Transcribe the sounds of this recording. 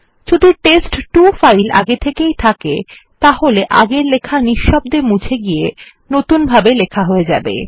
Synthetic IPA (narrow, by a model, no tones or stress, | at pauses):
ʃud̪ʱuʈesʈʈufajlʔa̰ɡet̪ʰekejt̪ʰake | t̪aɦoleʔaɡeɾlekʰaniʃːɔb̚d̪eɾmũt͡ɕʰeɡije | not̪unbʱabelekʰaɦoed͡ʑabḛ